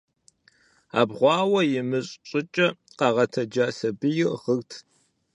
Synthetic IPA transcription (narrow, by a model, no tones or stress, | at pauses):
a̰ːbʁʷɑːwɐjɪmɨɕʼɕʼɪt͡ʃʼɐqɑʁɐtʰɐd͡ʒaːsɐbɨjɪʁərtʰ